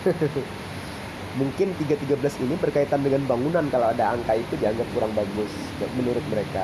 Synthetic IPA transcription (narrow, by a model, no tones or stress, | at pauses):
muŋkɪnt̪iɡat̪iɡabəlasinibərkait̪andəŋanbaŋunankalawadaaŋkait̪udiaŋɡap̚kuɾaŋbaɡʊs | mənuɾʊt̪̚məɾeka